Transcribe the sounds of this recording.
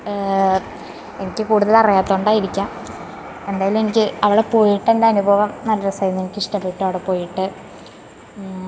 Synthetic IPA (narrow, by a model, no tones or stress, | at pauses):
e̞nikʲːɨkuːɽuðɐlɐrijaːt̪ːoːɳɖaːjiɾikʲːaːm | e̞nd̪aːjɐlume̞nikʲːɨɐʋiɽe̞po̞ːjiʈːend̪eɐnubʱɐʋɐmnɐlːɐɾɐsɐjɐnːe̞nikʲːiʂʈɐpːeʈːɨɐʋiɽepo̞ːjiʈːɨ